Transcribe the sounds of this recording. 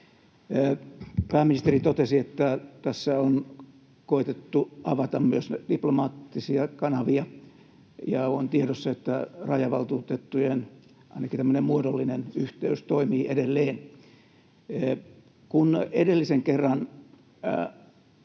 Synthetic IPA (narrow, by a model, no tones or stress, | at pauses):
pæːminist̪erit̪ot̪esiet̪ːæt̪æsːæon | koit̪et̪ːuɑʋɑt̪ɑmmyøsd̥iplomɑːt̪ːisiɑkɑnɑʋiɑ | jɑont̪ieɾosːɑet̪ːærɑjɑʋɑlt̪uːt̪et̪ːujen | ɑ̰inɑkit̪æmːønemmuodolːinenyht̪eyst̪oimiːʔedelːeːn | kunedelːiseŋkerːɑn